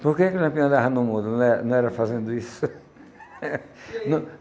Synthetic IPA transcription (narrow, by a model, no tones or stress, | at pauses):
poɾkekuʒẽpiɐ̃d̪aɦanʊ̃mũnd̪ʊnɐ̃w̃ɛɐnɐ̃w̃ɛɾɐfazẽnd̪ʊisʊ | nɐ̃